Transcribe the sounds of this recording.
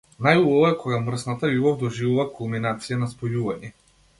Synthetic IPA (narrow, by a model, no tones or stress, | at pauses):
najulɔvɔɛkʰɔɡamr̩snat̪auvɔvd̪ɔʒivuvakulˠminat̪sijanaspɔjuvaɲɛ